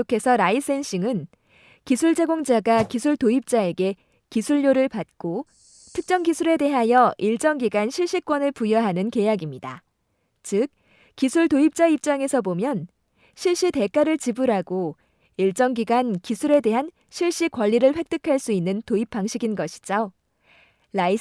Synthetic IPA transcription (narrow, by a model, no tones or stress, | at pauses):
okʰe̞sʰʌɾais͈ʰe̞nɕ͈iŋɯn | kisʰuɭd͡ʑe̞ɡoŋd͡ʑaɡakisʰuɭtoip̚t͡ɕ͈ae̞ɡe̞ | kisʰuʎːoɾɯɭpat̚k͈o | tʰɯk̚t͡ɕ͈ʌŋɡisʰuɾe̞de̞ɦajʌʔiɭt͡ɕ͈ʌŋɡiɡanɕʰiɭɕ͈ik͈wʌnɯɭpujʌɦanɯnke̞jaɡimɲida̰ | t͡ɕɯk̚ | k͈ːisʰuɭtoip̚t͡ɕ͈aip̚t͡ɕ͈aŋe̞sʰʌbomjʌn | ɕʰiɭɕ͈ite̞k͈aɾɯɭt͡ɕibuɾɦaɡo | iɭt͡ɕ͈ʌŋɡiɡankisʰuɾe̞de̞ɦan | ɕʰiɭɕ͈ikwaʎːiɾɯɭɸwe̞k̚t͈ɯkʰaɭs͈uinːɯntoip͈ʰːaŋɕʰiɡinɡʌɕʰi̥d͡ʑo | lai